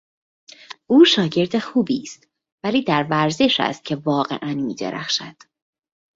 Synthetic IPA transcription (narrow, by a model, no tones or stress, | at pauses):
ʔuːʃɒːɟe̞ɾd̪exuːbiːst̪ | væliːd̪æɾvæɾze̞ʃæ̰st̪̚cʰe̞vɒːɢe̞̰ʔænmiːd̪ḛɾæ̰xʃæd̪̥